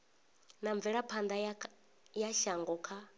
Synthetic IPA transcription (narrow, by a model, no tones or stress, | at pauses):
naɱb̪vɛɺapʰand̪a | jaʃaŋɡɔkʰa